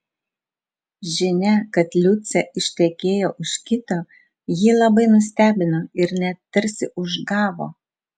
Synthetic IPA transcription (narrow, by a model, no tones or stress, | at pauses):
ʒʲɪnʲɛkɐt̪lʲʊt̪sʲɛɪʃʲt̪ʲɛkʲeːjoːʔʊʃkʲɪt̪oː | jiːlˠɐbɐɪnʊsʲt̪ʲæːbʲɪnoːɪɾnʲɛt̪t̪ɐɾʲsʲɪʔʊʒɡɑːʋo̰ː